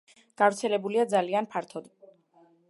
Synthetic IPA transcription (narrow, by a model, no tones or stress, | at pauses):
ɡ̥avɾt̪sʰɛlɛbuliad̪zalianpʰaɾt̪ʰɔd̪